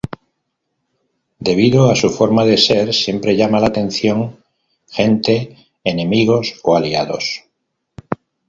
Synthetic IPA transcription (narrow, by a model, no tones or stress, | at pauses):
d̪e̞β̞iðoasufo̞ɾmaðe̞se̞ɾsje̞mpɾe̞ʎamalat̪ẽ̞n̟θjo̞ŋ | xe̞nt̪e̞ː | nẽ̞miɣ̞o̞soaliaðo̞̰s